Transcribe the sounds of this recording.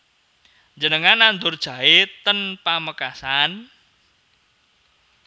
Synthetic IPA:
d͡ʒənəŋanand̪ʊrd̥ʒ̥ä̤ɪt̪ənpaməkasan

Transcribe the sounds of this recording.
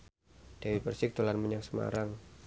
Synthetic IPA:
d̥awipərsɪk̚d̪olanməɲaŋsəma̰ɾaŋ

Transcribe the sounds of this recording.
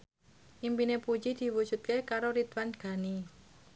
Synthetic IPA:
ʔimpinepud͡ʒid̪̥i̤wud̥ʒ̥ṳt̪̚kekaɾoɾit̪wanɡ̥a̤ni

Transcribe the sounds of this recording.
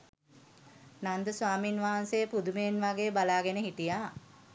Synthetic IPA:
nand̪əsʋaːminʋaːɦanseəpud̪umeːnʋaɡeːbalaːɡenəɦiʈijaː

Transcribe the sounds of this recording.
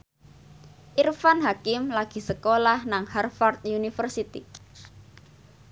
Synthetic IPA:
ʔirfanɦakɪmlaɡ̥i̤səkolahnaŋharfart̪̚junifərsit̪ḭ

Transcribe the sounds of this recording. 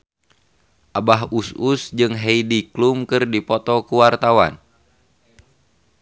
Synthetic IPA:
ʔabaɦususd͡ʒɨŋɦeidiklumkɨrdipɔt̪ɔkuwart̪awa̰n

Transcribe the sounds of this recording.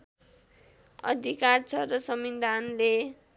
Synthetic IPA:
ʌ̰d̪ʱikart͡sʰʌɾʌsʌmid̪anle

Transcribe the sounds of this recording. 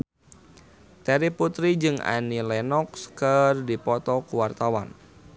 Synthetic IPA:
t̪ɛɾiput̪ɾid͡ʒɨŋa̰nilɛnɔkskərdipɔt̪ɔkuwart̪awa̰n

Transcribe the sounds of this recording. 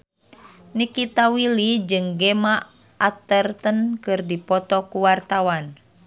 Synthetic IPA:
nikit̪awilid͡ʒɨŋɡɛma | ʔat̪ərt̪ənkɨrdipɔt̪ɔkuwart̪awan

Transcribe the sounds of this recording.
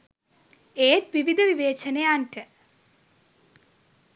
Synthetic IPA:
eːt̪ʋiʋid̪ʱɐʋiʋeːt͡ɕɐnɐjaːnʈɐ

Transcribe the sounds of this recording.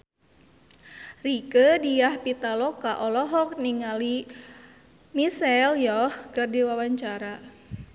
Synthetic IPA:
rikədijahpit̪alɔkaʔɔlɔɦɔk̚niŋali | misɛljɔhkɨrdiwawaɲt͡ʃaɾa

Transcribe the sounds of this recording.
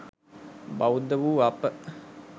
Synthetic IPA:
bawud̪əʋuːapə

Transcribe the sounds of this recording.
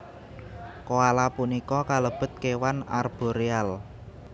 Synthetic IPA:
koalapunikɔkaləb̥ʊ̤t̪̚kewanarb̥o̤ɾeal

